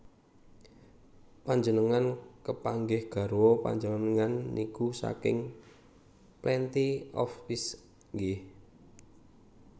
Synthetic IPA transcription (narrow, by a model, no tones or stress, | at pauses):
paɲd͡ʒənəŋankəpaŋɡɪhɡ̥ä̤ɾwɔpa̰ɲd͡ʒənənəŋanːikusa̰kɪ̰ŋ | plɛnt̪iɔ̰fːis | ŋɡeh